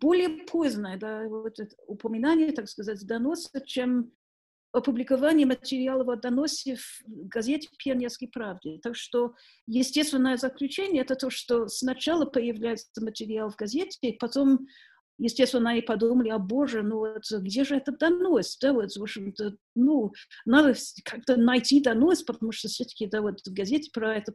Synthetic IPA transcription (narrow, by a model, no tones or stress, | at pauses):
b̥olʲɪəpʰozʲnəjəd̪avt̪ə | ʊpəmʲɪnanʲɪjət̪akskɐzatʲd̪ɐnosʲət͡ɕem | ɐpʊblʲɪkɐvanʲɪjəmətʲɪɾʲɪalˠəvot̪̚d̪ɐnosʲəvɡɐzʲetʲɪpʲernʲəskəjpɾavdʲɪt̪akʂt̪o | jɪsʲtʲest̪vʲɪnːəjəzəklʲʉt͡ɕenʲɪəɛt̪ət̪oʂt̪osnɐt͡ɕalˠəpəjɪvlʲæjɪt̪səmətʲɪɾʲɪalˠvɡɐzʲetʲɪpɐt̪om | jɪsʲtʲest̪vɪnanʲɪpɐd̪uməlʲɪɐboʐənuvot̪ɡdʲeʐɨɛt̪əd̪ɐnosʲd̪avot̪zvopɕɪmt̪ə | nunad̪əkʰak̚t̪ənɐjtʲid̪ɐnosʲpət̪ɐmuʂt̪ofsʲot̪ə̥kʲɪd̪avot̪vɡɐzʲetʲɪ̥pɾɐɛt̪ə